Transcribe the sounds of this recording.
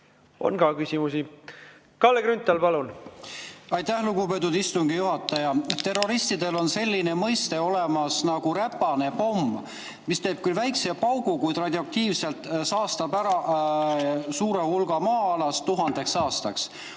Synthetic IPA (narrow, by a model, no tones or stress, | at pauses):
o̰nɡɑkysʲimusi | kɑlːeɡɾynt̪ːˑɑlpɑlun | ɑjt̪æhluɡupe̞t̪̬ːˑud̪ist̪uŋɡ̥ijuɦɑt̪ˑːɑjɑt̪ːe̞rːo̞ɾist̪id̪̥e̞lo̞nse̞lʲːine̞mɤjst̪e̞o̞lemɑsnɑɡ̥uɾæpːˑɑne̞po̞mː | mist̪eːb̥̚kylvæjksepɑwɡukujt̪rɑd̪ʲiɑk̚t̪iːvse̞lt̪ˑsɑːst̪ɑbæɾɑ | suːɾe̞hulɡ̥ɑmɑːɑlɑst̪uɦɑnd̪̥e̞ksɑːst̪ɑks